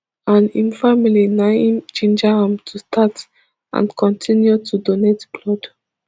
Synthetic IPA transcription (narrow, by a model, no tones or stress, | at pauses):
ãnĩnfamilinaĩmt͡ʃĩnd͡ʒahãmtʰustʰat | ʔã̰nkʰɔ̃ntʰĩnjutʰudonetblɔd